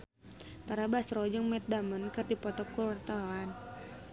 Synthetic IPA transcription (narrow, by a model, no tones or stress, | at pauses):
t̪aɾabasɾɔd͡ʒɨŋmɛt̪̚damənkɨrdipɔt̪ɔkulwart̪aan